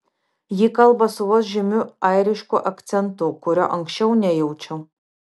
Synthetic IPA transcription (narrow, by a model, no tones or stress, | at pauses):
jikɐlˠbɐsuwɔsʒɪmʲʊajɾʲiʃkʷoʔɐktt͡s̪ʲɛnt̪okʷʊɾʲɛʔɐŋkʃʲt͡ʃʲɛwnʲɛjɛwt͡ʃʰɛ